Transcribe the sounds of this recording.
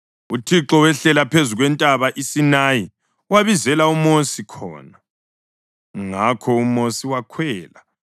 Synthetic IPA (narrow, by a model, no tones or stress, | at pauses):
utʰiǁɔwɛɬɛlapʰezuɣwɛntʼaβaʔisinaji | waβizɛlaumosikʰɔ̰ːna | ŋakʰɔumosiwakʰwɛːla